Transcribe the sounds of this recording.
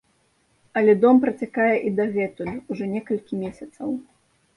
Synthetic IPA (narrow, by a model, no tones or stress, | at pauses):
ɐlʲɛd̪ɔmpɾɐt͡sʲakajɛʔid̪ɐɣɛt̪ujuuʐɔnʲɛkɐlʲkʲimʲesʲɐt̪sɐw